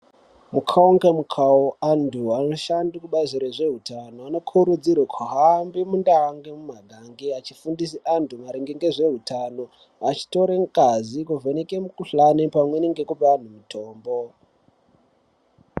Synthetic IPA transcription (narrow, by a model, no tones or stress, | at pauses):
mukʰauŋɡemukʰaoanduano̞ʃandikuɓaziɾeʐe̞ɦutano̞ano̞kʰuɾud͡zirwekʰaɦambimundaŋɡemumaɡʱaŋɡeat͡ʃifundis̬iʔandumaɾiŋɡeŋɡeʐe̞ɦutʰano̞ | at͡ʃi̥to̞ɾeŋkazikuvenekemukuɬanepamwe̞niŋɡe̞kupean̤umitʰo̞ːmbo̞